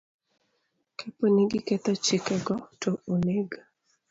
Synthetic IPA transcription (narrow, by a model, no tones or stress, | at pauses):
kʰɛponiɡɪkɛt̪ɔt͡ʃɪkɛɡɔtooleɡa